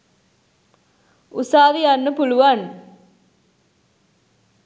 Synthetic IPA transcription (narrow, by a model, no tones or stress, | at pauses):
usaːʋijanːəpuluʋan